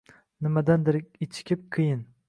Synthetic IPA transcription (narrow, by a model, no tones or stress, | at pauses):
nɪmad̪and̪ɪɾɪkʲɪt͡ʃʰɪ̥kʲʰɪp̚qʰɨjɪn